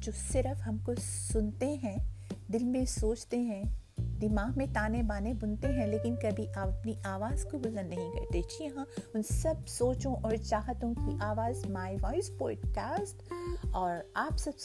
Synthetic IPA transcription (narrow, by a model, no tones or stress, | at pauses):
d͡ʒoːsɪɾəfɦɐmkosʊnt̪eɦɛ̃d̪ɪlmẽsoːt͡ʃt̪eɦɛ̃ | d̪ɪmaːɦmẽt̪aːnẽbaːnebʊnt̪eɦɛ̃leːkɪnkɐbʱiʔaːpɐpniʔaːʋaːz̥kobʊzə̃nd̪nɐɦĩkɐ̰ɾt̪et͡ʃʰijɐɦãʊnsɐbsoːt͡ʃõʔɔːɾt͡ʃaːɦət̪õkiʔaːʋaːzmaːɪʋaːɪspɔːɖkaːsʈɔːɾaːpsɐbs